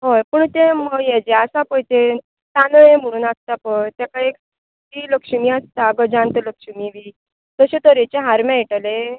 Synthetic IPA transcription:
ɦojpəɳt̪eməɡjɛd͡ʑeasapəjt̪e | t̪anəem̤əɽ̃uːnast̪apət̪jakaek | t̪iləkʂəmiast̪aɡəd͡ʑãnt̪ələkʂəmiʋi | t̪əɕet̪əɾet͡ɕeɦaɾmjãiʈale

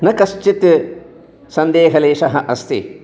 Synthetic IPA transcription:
nɐkɐst͡ʃit̪ | sɐnd̪eːɦɐleːʂɐɦɐʔɐst̪ʰi

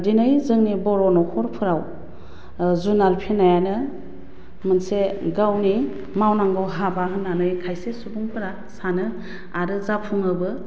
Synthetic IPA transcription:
dinɯjzɯŋnibɔɾɔnɔkʰɔɾpʰɯɾaw | zunalpʰenajanɯ | mɯnseɡawni | mawnaŋɡɯwɦabaɦɯnːanɯjkʰajsesubuŋpɯɾa | sanɯ | aɾɯzapʰuŋɯbɯ

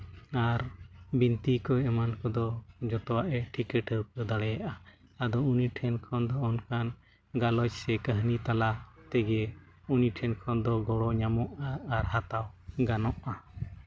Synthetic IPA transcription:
aɾbint̪ikɔɛmankɔd̪ɔd͡ʒɔt̪ɔwaʔɛʈʰikɛʈəɾpəd̪aɽɛjaʔa | ad̪ɔuniʈʰɛnkʰɔnd̪ɔɔnkan | ɡalɔt͡ʃsɛkəɦnit̪alat̪ɛɡɛ | uniʈʰɛnkʰɔnd̪ɔɡɔɽɔɲamɔʔaːɾɦat̪awɡanɔʔa

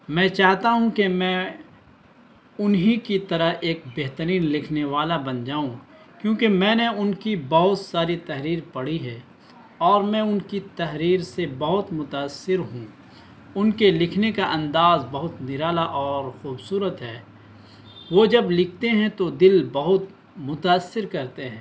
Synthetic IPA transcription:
mɛ̃ːt͡ʃaːɦt̪aɦũkemɛ̃ | ʊnɦikit̪ɐɾəɦeːk̚beɦt̪əɾiːnlɪkʰneʋaːlabɐnd͡ʒaːũ | kjõːkemɛ̃ːneʊnkibɐɦʊt̪saːɾit̪ɛɦɾiːɾpɐɽ̤iɦɛ̃ː | ɔːɾmɛ̃ʊnkit̪ɐɦɾiːɾsebɐɦʊt̪mʊt̪aːsːɪɾɦũ | ʊnkelɪkʰnekaʔɐ̃nd̪aːzbɐɦʊt̪nɪɾaːlaʔɔːɾxuːbsuːɾət̪ɦɛː | ʋod͡ʒɐblɪkʰt̪eɦɛ̃t̪od̪ɪlbɐɦʊt̪̚ | mʊt̪aːsːɪɾkɐɾt̪eɦɛ̃ː

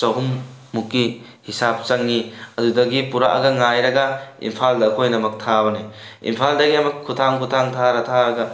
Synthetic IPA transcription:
sɐɦumːukːi | hisap̚t͡ʃɐŋːiɐdudɐɡipuɾa̰ʔɐ̰ɡɐŋajɾɐɡɐḭmpʰaldɐːkʰojnɐmɐk̚tʰabɐni | ḭmpʰaldɐɡiɐmɐkʰːutʰaŋkʰutʰaŋtʰaɾɐtʰaɾɐɡɐ

